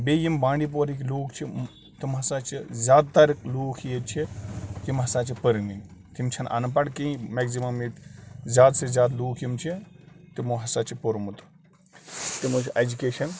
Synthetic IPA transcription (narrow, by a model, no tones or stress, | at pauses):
beːjimbãːɳɖip̬oɾikʲloːkt͡ʃʰi | t̪imɦɐsaːt͡ʃʰizʲaːd̪̚t̪ɐɾkluːkʰijet͡ʃʰit̪imɦɐsaːt͡ʃʰipəɾɨŋɡint̪imt͡ʃʰɐnʔɐ̰nɐpɐɽkĩĩmekzimɐmit̪zʲjaːd̪sezʲjaːd̪luːkʰjimt͡ʃʰi | t̪imoɦɐsaːt͡ʃʰipoɾmut̪ | t̪imot͡ʃʰiʔed͡ʒukeːʃɐn